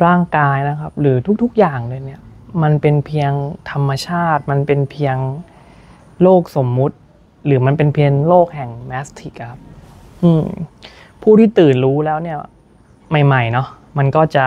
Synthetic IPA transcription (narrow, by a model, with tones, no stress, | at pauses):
ɾaː˥˩ŋkaː˧jna˦˥kʰa˦˥p̚ɾɯː˩˦t̪ʰu˦˥k̚t̪ʰu˦˥k̚jaː˨˩ŋdɤː˧jni˥˩ɐma˧npe˧npʰi˧əŋt̪ʰa˧mːa˧t͡ɕʰaː˥˩t̪̚ma˧npe˧npʰi˧əŋ | loː˥˩k̚so˩˦mːu˦˥t̪̚ | ɾɯː˩˦ma˧npe˧npʰi˧əŋloː˥˩k̚hɛ˨˩ŋmɛ˦˥st̪ʰi˨˩k̚ʔa˧˩kʰa˦˥p̚ | ʔɯː˧m | pʰuː˥˩t̪ʰiː˥˩t̪ɯː˨˩nɾuː˦˥lɛː˦˥wni˥˩ɐ | ma˥˩jma˨˩jnɔ˦˥ | ma˧nkɔː˥˩t͡ɕa˨˩